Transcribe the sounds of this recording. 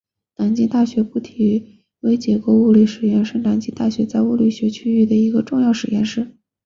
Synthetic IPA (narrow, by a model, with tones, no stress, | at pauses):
na˨˩ŋt͡ɕi˥ŋt̪a˥˩ɕɥɛ˧˥pu˥˩t̪ʰi˨˥ | we˧˥ɪt͡ɕjɛ˧˥ko˧˥u˥˧li˥˩ʂɻ̩˨˩jɛ˥˧nʂ̩˥ŋna˨˧˩ŋt͡ɕi˧˥ŋt̪a˥˩ɕɥɛ˧˥t͡sa˥˧ɪu˥˧li˥˩ɕɥɛ˧˥t͡ɕʰy˥y˥˩d̪ə˩i˧˥ɡə˧ʈ͡ʂʊ˥˧ŋjɑ˥˩ʊʂɻ̩˨˩jɛ̰˥˧nʂɻ̩˥˩